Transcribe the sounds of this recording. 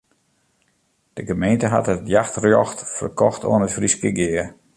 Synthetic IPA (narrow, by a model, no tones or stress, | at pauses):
d̥əɡəmejntəɦa̰tətjaxtrjɔxtfə̰rkɔxtʰo̰ənəfriskəɡɪːər